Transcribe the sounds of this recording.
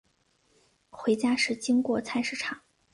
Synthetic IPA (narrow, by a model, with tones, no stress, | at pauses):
xwe˧˥ɪt͡ɕja˥ʂɻ̩˥˩t͡ɕi˥ŋkwɔ˧˥t͡sʰa˥˧ɪʂɻ̩˥˩ʈ͡ʂʰɑ˨˩˦ŋ